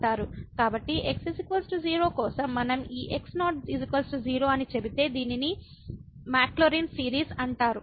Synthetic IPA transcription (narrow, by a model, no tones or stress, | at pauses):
ʈaːɾukaːbɐʈːiʔeksisikʋɐlsʈud͡ʒiːɾo̞ːkɔːsɐmːɐnɐmiːʔeksnaːʈɖizikʋɐlsʈud͡ʒiːɾo̞ːɐnit͡ʃe̞bit̪e̞ːd̪iːnini | maːkloɾinsiːɾiːsɐɳʈaːɾu